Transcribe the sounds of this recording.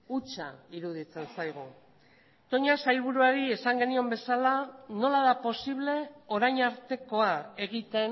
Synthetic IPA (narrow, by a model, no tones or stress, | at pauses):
ut͡ʃa̰iɾuð̞it͡se̞nsajɣ̞u | t̪o̞ɲasajlβ̞uɾuaɾie̞saŋɡe̞nio̞mbe̞salano̞laðapo̞siβle̞o̞ɾajɲaɾt̪e̞ko̞ae̞ɣ̞it̪e̞n